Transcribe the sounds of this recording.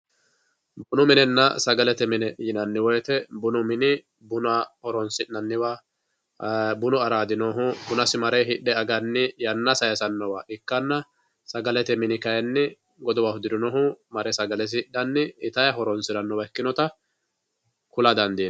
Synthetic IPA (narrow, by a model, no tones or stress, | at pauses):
bʊnʊmɪnɛnːɐ̰sɐɡɐlɛt̪ɛmɪnɛjɪnɐnːɪwɔjɛt̪ɛbʊnʊmɪnɪ | bʊnɐhɔɾɔnsɪnːɐnːɪwa | bʊnʊɐɾaːd̪ɪnɔɦʊbʊnɐsɪmɐɾɛɦɪɗːɛɐɡɐnːɪjɐnːɐsɐjɛsɐnːɔwaʔɪkːɐnːɐ | sɐɡɐlɛt̪ɛmɪnɪkɐjɛnːɪ | ɡɔd̪ɔwahʊd̪ɪd̪ɪnɔɦʊmɐɾɛsɐɡɐlɛs̬ɪhɪɗːɐnːɪːt̪ɐjɐɦɔɾɔnsɪdɐnːɔwɐɛkːɪnɔt̪ɐ | kʊlɐd̪ɐnd̪iː